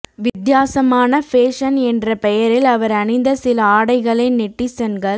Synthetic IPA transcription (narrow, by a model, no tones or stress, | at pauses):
ʋɪd̪jaːsɐmaːnɐfeːʂɐnɛndrɐpɛjɐɾɪlɐʋɐɾɐnɪnd̪ɐsɪlɐaːɽɐɪɣɐɭɐnɪʈːisɐnɡɐɭ